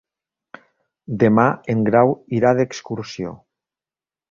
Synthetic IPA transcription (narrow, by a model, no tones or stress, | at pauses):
d̪emaeŋɡɾawiɾað̞ekskuɾsjo̰